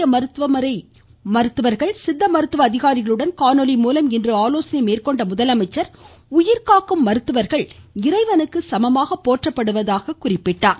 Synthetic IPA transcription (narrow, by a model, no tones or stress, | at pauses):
ɐmɐɾɯt̪ʋɐmɐɾɐɪ | mɐɾɯt̪ːɯʋɐɾɣɐɭsɪd̪ːɐmɐɾɯt̪ːɯʋɐːðɪɣaːɾɪɣɐɭɯɽɐnkaːnɔlɪmuːlɐmɪndrɯaːloːsɐnɐɪmeːrkɔɳɖɐmʊðɐlɐmɐɪt͡ʃːɐɾ | ʊjɪɾkaːkːɯmːɐɾɯt̪ːɯʋɐɾɣɐɭɪrɐɪʋɐnɯkːɯsɐmɐmaːɣɐpːoːʈrɐpːɐɽɯʋɐðaːɣɐkʊrɪpːɪʈːaː